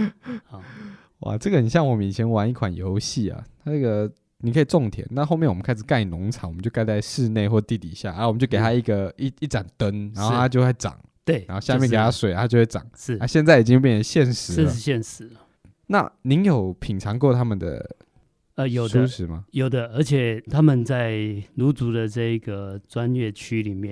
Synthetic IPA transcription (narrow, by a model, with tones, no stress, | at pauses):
wa̰˨˩ʈ͡ʂɤ˥˩ɡə˩ni˨˩ɕjɑ˥˩ŋwɔ˨˦m˩i˨˩t͡ɕʰjɛ˧˥nwa˨˦ni˥˩kʰwa˨˩njo̰˧˦ʊɕi˥˩ɐ̰˨t̪ʰa˥nə˥˩ɡə˨˩ | ni˨˩kʰə˦˥i˨˩ʈ͡ʂo˥˨˩ŋt̪ʰjɛ˨˩˦na˥˧xo˥˧mjnwɔ˨˩mə˦kʰa˥ɪʂ̬ɻ̩˨˩ka˥˩ɪi˨˩nʊ˧˥ŋʈ͡ʂʰɑ˨˦ŋwə˦t͡ɕjo˥˧ka˥˧ɪt͡sa˥˧ɪʂɻ̩˥˧ne˥˧ɪxwɔ˥˧t̪i˥˧˩t̪i˨˩ɕja̰˥˩ʔa˨˧˦wmə˦t͡ɕo˥˩ke˨˩t̪a˥˦i˥˩ɡə˩i˥˩i˥˩ʈ͡ʂa˨˩nt̪ə˦˥nna˧˦nxo˥˧˩a˥t͡ɕjo˥˧ʊxwɪʈ͡ʂɑ̰˨˩ŋ | t̪we˥˧˩a˦nxo˥˧ɕja˥˧mjɛ˥˨kke˨˩t̪ʰa˥swe˨˦a˨a˥t͡ɕo˥˧we˥˩ʈ͡ʂɑ̰˨˩ŋʂɻ̩˥˩a˥˦ɕjɛ˥˧nt͡sa˥˩ɪi˨˩t͡ɕi˥ŋ˧p̬jɛ˥˩nʰ˩ə˧˦nɕjɛ˥˨nʂɻ̩˧˥˧ɕjɛ˥˨nʂɻ̩˧˦lə˩ | na̰˥˨ni˧˦˥njo˨˩ʊpʰi˨˩ŋʈ͡ʂʰɑ˧˥ŋkwɔ˥˧˨t̪ʰa˦˥mə˨nd̪ə̰˩ | ə˧jo˨˩ʊu˥˧ʂʂɻ̩˧˦ma̰˧jo˨˩ʊd̪ə˦ə˧˥t͡ɕʰjɛ˨˩t̪ʰa˦˥mə˨nt͡sa˥˩ɪlu˧˥t͡su˧˥d̪ə˨ʈ͡ʂɤ˥˧i˧˥ɡə˩t͡swa˦nɥɛ˥˩t͡ɕʰy˥li˨˩mjɛ˥˨n